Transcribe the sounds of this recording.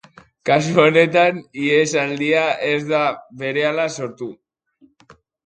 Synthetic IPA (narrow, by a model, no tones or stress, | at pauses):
kasuo̞ne̞t̪aniesald̪iaʔe̞zðaβe̞ɾe̞alaso̞ɾt̪u